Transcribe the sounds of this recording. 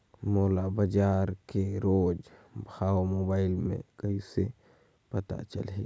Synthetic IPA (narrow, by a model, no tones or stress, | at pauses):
moːlabəd͡ʒaːɾkeɾoːd͡ʒbʱaːomoːbaːɪlmḛ̃kɐise | pɐt̪a̰t͡ʃɐ̰lɦḛː